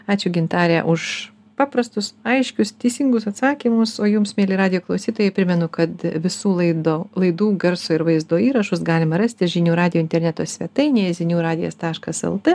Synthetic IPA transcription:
ɑːt͡ʃʲʊɡʲɪnt̪ɑːɾʲæʔʊʃ | pɑːpɾɐst̪ʊsɐɪʃʲkʲʊst̪ʲɛɪsʲɪŋɡʊsɐt̪sɑːkʲiːmʊsoːjʊmsmʲeːlʲɪːɾɑːdʲɪjoːklˠɐʊsʲiːt̪oːjɛɪpʲɾʲɪmʲɛnʊkɐt̪ʋʲɪsuːlˠɐɪd̪oːlˠɐɪd̪uːɡɐɾsoːɪɾʋɐɪzd̪oːiːɾɐʃʊsɡɑːlʲɪmɐɾɐsʲt̪ʲɪʒʲɪnʲuːɾɑːd̪ʲɪjoːɪnt̪ʲɛɾʲnʲɛt̪oːsʲʋʲiɛt̪ɐɪnʲejɛzʲɪnʲuːɾɑːd̪ʲɪjo̰ːst̪ɑːʃkɐsɛ̰lˠt̪ɛ

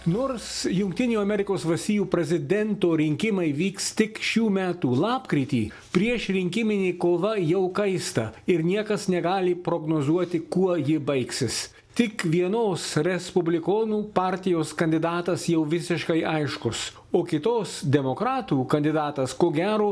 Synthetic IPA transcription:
noːɾsjʊŋk̚t̪ʲɪnʲuːɐmʲɛɾʲɪkoːsʋɐst̪ʲiːjuːpʲɾʲɛzʲɪd̪ʲɛnt̪oːɾʲɪŋʲkʲɪmɐɪʋʲiːkst̪ʲɪkʃʲuːmʲæːt̪uːlˠɑːpkɾʲɪt̪ʲḭː | pʲɾʲiɛʃɾʲɪŋʲkʲɪmʲɪnʲeːkoːʋɐjɛʊkɐɪst̪ɐɪɾnʲiɛkɐsnʲɛɡɑːlʲɪpɾoːɡnoːzuɔt̪ʲɪkuɔjɪbɐɪksʲɪs | t̪ʲɪkʋʲiɛnoːsɾʲɛspʊbʲlʲɪkoːnuːpɑˑɾʲt̪ʲɪjoːskɐnʲd̪ʲɪd̪ɑːt̪ɐsjɛʊʋʲɪsʲɪʃkɐɪʔɐɪʃkʊs | oːkʲɪt̪oːsd̪ʲɛmoːkɾɑːt̪uːkɐnʲd̪ʲɪd̪ɑːt̪ɐskoːɡʲæːɾoː

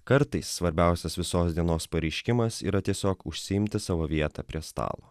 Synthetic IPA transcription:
kɐɾt̪ɐɪsːʋɐɾʲbʲæˑʊsʲɛsʋʲɪsoːsd̪ʲiɛnoːspɐɾʲɛɪʃʲkʲɪmɐsḭːɾɐt̪ʲiɛsʲoːkʊʃʲsʲɪɪmʲt̪ʲɪsɑːʋoːʋʲiɛt̪ɑ̰pʲɾʲiɛst̪ɑ̰ːlˠo̰ː

